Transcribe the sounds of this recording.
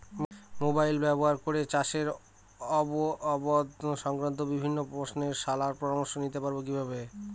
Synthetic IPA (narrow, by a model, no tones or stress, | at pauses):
mobajlbɛboɦaɾkoɾet͡ɕaʃeɾ | ɔboɔbod̪ʃɔŋkɾant̪̬obibʱinːopɾosneɾʃalaɾpɾɔɾamoɾʃonit̪epaɾbok̬ibʱabe